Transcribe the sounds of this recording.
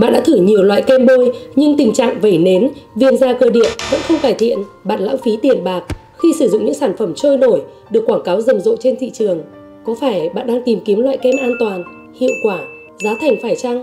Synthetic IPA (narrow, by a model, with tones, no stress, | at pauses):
ɓa̰ː˧˨nɗa̰˧˥t̪ʰɨ˧˩ɲi˨˩əwlwa̰ː˧˨jkɛ˧mɓo˧jɲɨ˧ŋt̪ï˨˩ŋ̟t͡ɕa̰ː˧˨ŋvə˧˩jne˨˦nvi˧˨ənzaː˧˩kəː˧˩jɗḭ˧˨ənvə̰˧˥nxə˧wŋ͡mkaː˧˩jt̪ʰḭ˧˨ənɓa̰ː˧˨nla̰ː˧˥wfi˨˦t̪i˨˩ənɓaː˨˩k̚ | xi˧sɨ˧˩zʊ̰˧˨ŋ͡mɲɨ̰˧˥ŋsaː˧˩nfə˧˩mt͡ɕoː˧jno˧˩j | ɗɨ˨˩əkːwaː˧˩ŋkaː˨˦wzə˨˩mzo̰˧˨t͡ɕe˧nt̪ʰḭ˧˨t͡ɕɨ˨˩əŋ | kɔ˨˦faː˧˩jɓa̰ː˧˨nɗaː˧ŋt̪i˨˩mki˨˦əmlwa̰ː˧˨jkɛ˧mʔaː˧nt̪waː˨˩n | hḭ˧˨əwkwaː˧˩ | zaː˨˦wt̪ʰa˨˩jŋ̟faː˧˩jt͡ɕa˧ŋ